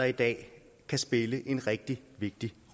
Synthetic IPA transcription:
ɐid̥ɛ̰ː | kʰæsb̥e̝ləʔe̝nʁɛɡ̥̚d̥iʋe̝ɡ̥̚d̥iʁ

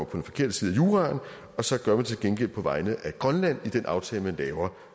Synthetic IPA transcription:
ɒmɐpʰɒ̥̽enfɒ̽kʰe̝ɐd̥əsiːð̞̩ˠæjuːʁɑ̈n | ɒ̽sɒ̽ɡ̥ɶɐmænt͡sʰe̝lɡ̥enɡ̥el̰pʰɒ̽ʋɑ̈ɪnð̩ˠʔæɡ̥ʁɶnlæn̰id̥enʔɑ̈ʊt͡sʰɛːləmænlɛːʊɐ

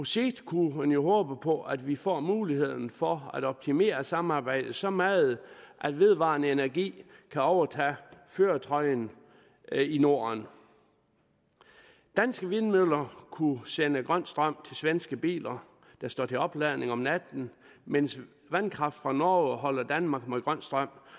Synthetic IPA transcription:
useɡd̥kʰuænjo̝ɦɔːb̥əpʰɒ̽ʔæd̥ʋifɒ̰ːmuːlihe̝ð̞̰ˠn̩fɒæd̥ɒ̽b̥̚t͡sʰime̝̰ːɐsɑ̈m̩ɑ̈ːb̥ɑ̈ɪ̰d̥ð̩ˠsɒ̽mæːð̩ˠʔæd̥ʋe̝ð̞ˠʋɑ̰̈ːnəe̝næɐɡ̥ḭːkʰæɒʊɐt͡sʰæ̰føːɐt͡sʰɒ̽ɪn | ino̝̰ːn | d̥ænsɡ̥əʋe̝nmøð̰ˠlɐkʰusenəɡ̥ʁɶn̰sd̥ʁɶm̰t͡sʰe̝lsʋensɡ̥əb̥ḭːlɐ | d̥ɑ̈sd̥ɒ̰ːt͡sʰe̝ɒ̽b̥læðˠne̝ŋɒ̽mnæd̥n̩ | mens | ʋænkʰʁɑ̈fd̥fʁɑ̈nɒːɦɒ̽l̰ɐd̥ænmɑ̈ːɡ̥meɡ̥ʁɶn̰sd̥ʁɶm̰

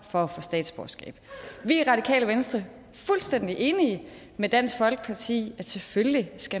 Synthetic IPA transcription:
fɒ̽fɔ̽sd̥ɛ̰ːd̥sb̥ɒːsɡ̥ɛ̰ːb̥ʋiʁɑ̈d̥ikʰɛ̰ːləʋensd̥ʁɐ | fulsd̥en̰d̥iʔe̝ːniə | med̥æn̰sɡ̥fɒ̽lɡ̥ə̥pʰɑ̈t͡sʰḭːæsʰelfølisɡ̥æ

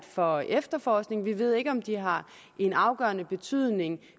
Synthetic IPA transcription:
d̥fɒ̽ʔefd̥ɐfɒːsɡ̥ne̝ŋʋiʋe̝ð̞̰ˠe̝ɡ̥əɒ̽md̥iɦɑ̈ | ʔe̝nɑ̈ʊɡ̥ɶɐnəb̥e̝t͡sʰyð̰ˠne̝ŋ

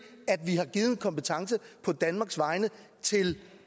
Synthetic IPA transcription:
æd̥ʋiɦɑ̈ɡ̥iːð̩ˠn̩kʰɒ̽mpət͡sʰɑ̈ŋsəpʰɒ̽d̥ænmɑ̈ːɡ̥sʋɑ̈ɪnə | t͡sʰe̝l

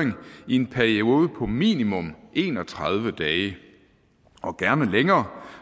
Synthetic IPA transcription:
eŋie̝npʰæɐio̝ːðˠpʰɒ̽mḭːnimɔ̽mʔe̝ːnɒ̽t͡sʰʁɑð̞ˠʋəd̥ɛːɪə | ʔɒ̽ɡ̥æɐnəleŋɐː

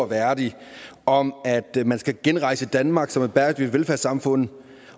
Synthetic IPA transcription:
ʋæɐd̥iɒ̽mæd̥mænsɡ̥æɡ̥enʁɑ̈ɪsəid̥ænmɑ̈ːɡ̥sɒ̽me̥b̥æɐd̥y̥ʋelfæɐsɑ̈mfɔ̽n̰ð̩ˠ

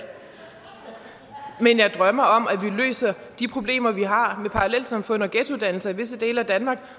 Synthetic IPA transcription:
menjɑ̈ɪd̥ʁɶmɐɒ̽mæʋilø̰ːsɐd̥ipʰʁo̝b̥le̝̰ːmɐʋiɦɑ̈mepʰɑ̈ʁɑlel̰̥sɑ̈mfɔ̽n̰ɒ̽ɡ̥edʰuð̞ˠd̥æn̰l̩sɐiʋe̝səd̥e̝̰ːləæd̥ænmɑ̈ːɡ̥

